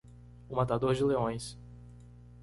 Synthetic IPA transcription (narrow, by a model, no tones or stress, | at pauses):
ʊmat̪ad̪oɾd͡ʒɪleõj̃s